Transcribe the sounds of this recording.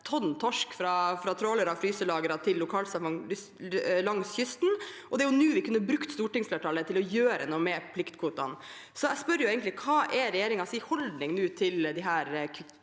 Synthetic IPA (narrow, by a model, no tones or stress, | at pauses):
t̪ʰɔnt̪ʰɔʂkfɾɑfɾɑt̪ʰɾoːləɾɑʋfɾyːsəlɑːɡəɾɑt̪ʰɪlːʊkʰɑːlsɑmɑŋ | lɑŋsçʏst̪nʔɔd̪ɛæɾjʊnʉːʋɪkʰʉnːəbɾʉkt̪st̪uːʈɪŋsfleːʈʰɑːlət̪ʰɪlɔjøːɾə̰nɔmɛpʰlɪkt̪kʰʋuːt̪ɑ̰n | sɔæspœɾːəjʊeːɡənt̪lɪkʰɑːʔɛɾɛjeːɾɪŋɑsɪhɔld̪nɪŋnʉːt̪ʰɪld̪ɪɦæːɾkʰ